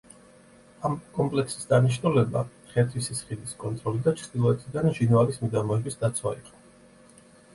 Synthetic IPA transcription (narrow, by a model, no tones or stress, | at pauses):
amkʼɔmpʼlɛksi̥sd̪aniʃnulɛba̰ | χɛt̪ʰwisisχid̪iskʼɔnt̪ʼɾɔlid̪at͡ʃʰd̪̥ilˠɔɛt̪ʰid̪anʒinalismid̪amɔɛbisd̪at̪sʰwa̰iq̪ʼ